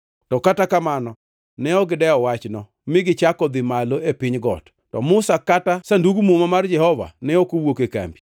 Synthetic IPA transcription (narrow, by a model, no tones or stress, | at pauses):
tɔkatakamanɔ | nɛɔɡɪdɛɔwat͡ʃnɔ | mɪɡɪt͡ʃakɔd̪ɪmaloepɪɲɡɔ̰t | tɔ̰mʊsakatasanduɡmomamard͡ʒɛhɔva̰nɛokowokeka̰mbi